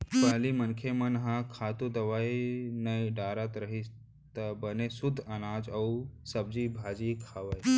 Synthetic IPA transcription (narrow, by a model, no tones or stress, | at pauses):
pəɦlimənkʰemɐnɦãkʰaːt̪ud̪ɐʋainɐjɖaːɾat̪ɾəɦis | t̪əbənesud̪ʱːɐnaːd͡ʒɐwsɐb̚d͡ʒibʱaːd͡ʒikʰaːʋaj